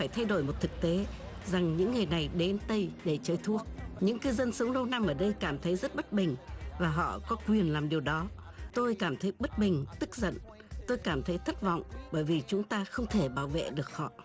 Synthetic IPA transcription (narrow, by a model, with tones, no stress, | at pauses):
faː˧˩jt̪ʰa˧jɗo˧˩jmo˨˩t̚t̪ʰɨ˨˩k̚t̪e˨˦ | za˨˩ŋɲɨ̰˧˥ŋːɨ˨˩əjna˨˩jɗe˨˦nt̪ə˧jɗe˧˩t͡ɕəː˨˦jt̪ʰu˦˥ək̚ɲɨ̰˧˥ŋkɨ˧zə˧nsɨ˨˦əŋ͡mɗə˧wna˧mʔəː˧˩ɗə˧jkaː˧˩mt̪ʰə˨˦jzə˦˥t̚ɓə˦˥t̚ɓï˨˩ŋ̟vaː˨˩ɦɔ̰˧˨kɔ˨˦kwi˨˩ənlaː˨˩mɗi˨˩əwɗɔ˨˦t̪o˧jkaː˧˩mt̪ʰə˨˦jɓə˦˥t̚ɓï˨˩ŋ̟t̪ɨ˦˥k̚zə̰˧˨n | t̪o˧jkaː˧˩mt̪ʰə˨˦jt̪ʰə˦˥t̚vɔ̰˧˨wŋ͡mɓəː˧˩jvi˨˩t͡ɕʊ˨˦ŋ͡mt̪aː˧xə˧wŋ͡mt̪ʰe˧˩ɓaː˧˩wvḛ˧˨ɗɨ˨˩ək̚hɔ̰˧˨